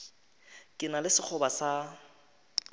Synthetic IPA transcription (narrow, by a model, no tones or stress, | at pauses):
kʼɪnalɪsɪk͡xʰʊbasa